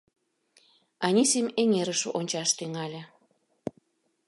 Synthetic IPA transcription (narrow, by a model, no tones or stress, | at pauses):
ɑnʲisimʲeŋeɾəʃoʔonʲt͡ɕɑʃt̪yŋɑlʲĕ